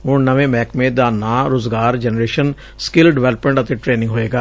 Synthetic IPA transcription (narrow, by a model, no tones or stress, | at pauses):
ɦʊɳnəʋẽːmɛːkmẽːd̪aːnaːɾoːzɡaːɾd͡ʒɛnəɾeːʃən | skɪlɖɪʋɛːləpmẽɳʈət̪eːʈɾeːnɪ̃ŋɡɦoːeːɡaː